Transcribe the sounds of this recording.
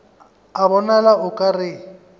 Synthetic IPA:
abɔnalaʔʊkʼarɪ

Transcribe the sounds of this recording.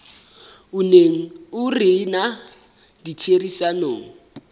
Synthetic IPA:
ʊneŋ̩ʊrɪna | ditʰerisanoːŋ̩

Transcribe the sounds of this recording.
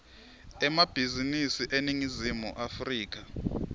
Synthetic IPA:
ɛmab̥ʱizinisiʔeniŋizimuʔafriːk̬ʼa

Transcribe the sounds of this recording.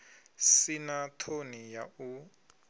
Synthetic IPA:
sinatʰonijau

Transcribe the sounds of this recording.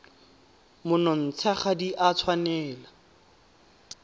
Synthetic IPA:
mʊnɔn̩t͡sʰaχadiʔat͡sʰwanɛːla

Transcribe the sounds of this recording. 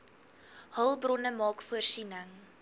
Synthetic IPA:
həlˠbrɔnəmɑːkfuərsinəŋ

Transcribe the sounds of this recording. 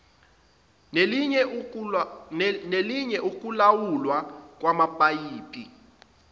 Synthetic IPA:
neliɲɛʔuk̬ʼulawulwak̬ʼwamapʼajiːpʰʼḭ

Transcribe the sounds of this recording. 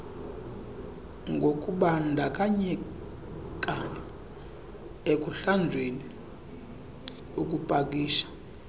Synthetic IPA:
ŋɡʱokʼuɓandʱakʼaɲɛ | kʼa | ek̬ʼuɬand͡zʱweni | ukʼupʼak̬ʼiːʃḁ

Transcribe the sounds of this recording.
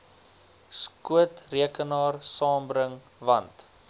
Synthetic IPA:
skuətriəkənɑːrsɑːmbɾəŋ | vɐnt

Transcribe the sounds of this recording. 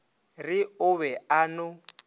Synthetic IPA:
rɪʊβɛanʊ

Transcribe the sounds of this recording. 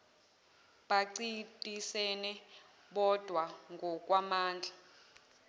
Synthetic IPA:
ɓaǀitʼisɛnɛ | ɓɔd̥ʱwaŋɡʱɔk̬ʼwamaːnd͡ɮʱa

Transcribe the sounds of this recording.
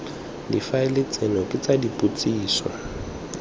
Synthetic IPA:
difaɪlɪt͡sʼenɔkʼɪt͡sʼadipʼut͡sʼiːswa̰

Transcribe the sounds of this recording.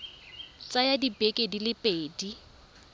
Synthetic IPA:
t͡sʼajadibekʼedilɪpʼeːdi

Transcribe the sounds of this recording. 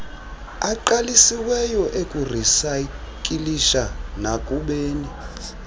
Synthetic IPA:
aǃalisiwɛjɔʔekʼurisa | kʼiliʃanakʼuɓeːni

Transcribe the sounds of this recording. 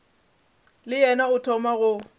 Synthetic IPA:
lɪjɛnaɣʊtʰɔmaɣʊ

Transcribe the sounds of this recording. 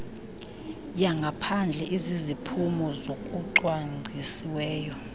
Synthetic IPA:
jaŋɡʱapʰand͡ɮʱɛʔizizipʰumɔzokʼuǃwaŋ͡ǀʱisiwɛːjɔ

